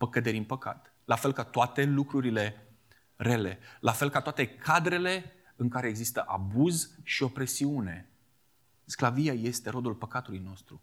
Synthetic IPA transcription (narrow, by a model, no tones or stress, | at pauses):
pəkəd̪e̞ɾʲinpəka̰t̪ | lafe̞lkat̪oat̪e̞lukɾuɾile̞ | rele̞lʔafe̞lkat̪oat̪e̞kʰad̪ɾe̞le̞ | ɨŋkaɾe̞ːɡzist̪əʔabuzʃio̞pɾe̞siune̞ | sklaviaje̞st̪e̞ɾo̞d̪ulpəkat̪ulujno̞st̪ɾu